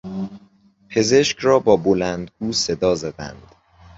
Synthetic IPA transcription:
pʰe̞ze̞ʃcʰɾɒːbɒːbolænd̪ɡuːse̞d̪ɒːzæd̪æ̰nd̪̥

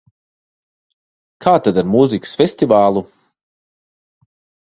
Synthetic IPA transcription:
kʰaːt̪ad̪aɾmuzikə̥sfʲɛsʲt̪ivaːlˠu

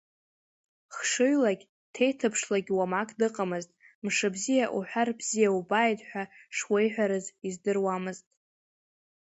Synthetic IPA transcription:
χʂɨɥlaɡʲ | tʰe̞jtʰɨpʰʂlaɡʲwamakʼdɨqʼamɨztʼ | mʂɨbzijaʔṵħʷᶣarbz̥ijaubajdʼħʷᶣaʂwejħʷᶣaɾɨzizdɨrwamɨztʼ

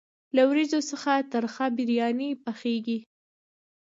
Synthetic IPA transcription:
lawɾizosəxat̪əɾxabɪɾjɑnipaxeɡi

